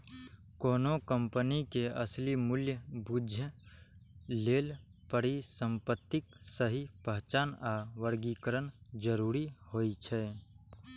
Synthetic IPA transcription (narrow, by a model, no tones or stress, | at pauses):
koːnokəmpənikeɐ̰slimʊljəbuːd͡ʒʱjə | leːl | pəɾisə̃mpət̪ːɪksəɦipəɦt͡ʃaːnaʋəɾɡikəɾənd͡ʒəɾuːɾihoːit͡ʃʰɛː